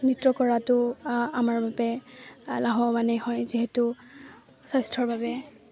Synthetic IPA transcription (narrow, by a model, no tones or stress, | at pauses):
nitɹɔkɔɹatʊamaɹbabɛlaɦɔmanɛhɔjziɦɛtʊ | sajstʰɔɹbabɛ